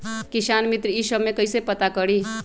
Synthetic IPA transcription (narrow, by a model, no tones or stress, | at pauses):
kisaːnmit̪ɾəisəbmẽkəisepət̪akəɽi